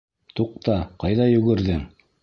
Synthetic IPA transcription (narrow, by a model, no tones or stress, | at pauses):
t̪uq̚t̪ɑqɑjðɑjɵ̆ɡɘ̆ɾðɘŋ